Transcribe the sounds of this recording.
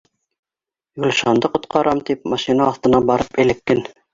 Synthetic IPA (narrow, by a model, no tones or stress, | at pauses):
julʃɑnd̪ɤqŏt̪qɑɾɑmt̪ip̚mɑʃinɑːθt̪ɤ̆nɑbɑɾɤpɘ̆lɘ̆kːɘn